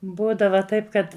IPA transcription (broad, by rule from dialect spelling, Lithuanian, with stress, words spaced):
ˈbuːdɐʋɐ ˈtɐɪp kɐt